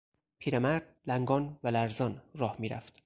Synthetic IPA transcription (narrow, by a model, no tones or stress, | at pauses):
pʰiːɾemæɾd̪̥̚læŋɡɒːnvælæɾzɒːnrɒːhmiːɾæ̰ft̪